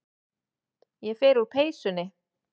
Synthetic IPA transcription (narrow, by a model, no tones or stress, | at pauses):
jɛfɛːɾupʰeːjsʏnɪ